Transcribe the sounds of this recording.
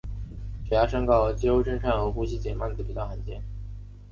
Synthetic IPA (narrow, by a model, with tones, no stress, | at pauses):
ʈ͡ʂɛ˨˩ja˥ʂɤ˥ŋkɑ˥˩ʊt͡ɕi˥o˥ʊʈ͡ʂɤ˥˧ŋʈ͡ʂʰa˥˩nxɤ˧˥xu˥ɕi˥˩t͡ɕjɛ˨˩nma˥˩nt͡sɹ̩˩pi˨˩t̪ɑ˥˩xa˧˥nt͡ɕjɛ˥˩n